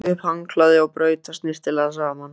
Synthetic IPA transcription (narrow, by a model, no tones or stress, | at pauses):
ɪfaŋkʰlaðɪawpɾœːɥt̪ast̪nɪst̪ʰɪlaðsaːman